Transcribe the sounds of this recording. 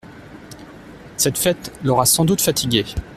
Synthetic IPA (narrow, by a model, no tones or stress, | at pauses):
sɛt̪fɛt̪lɔʁasɑ̃d̪ut̪fat̪ʰiɡʲe